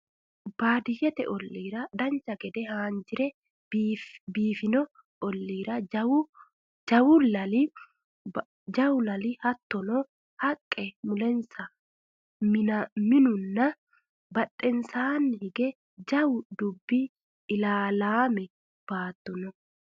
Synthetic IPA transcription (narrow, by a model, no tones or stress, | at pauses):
b̥aːd̪ɪjɛt̪ɛ̰ʔɔlːiːɾɐd̪ɐnt͡ʃɐɡɛd̪ɛhaːnd͡ʒɪɾɛ | biːfɪnɔ | ɔlːiːɾɐ | d͡ʒɐwʊlɐl | d͡ʒɐwʊlɐlɪhɐt̪ːɔnɔ | hɐkʼːɛmʊlɛnsɐ | mɪnɐmɪnʊnːɐ | bɐt̪ʼːɛnsaːnːɪhɪɡɛ | d͡ʒɐwʊd̪ʊbːi | ɪlaːlaːmɛ | b̥aːt̪ːɔnɔ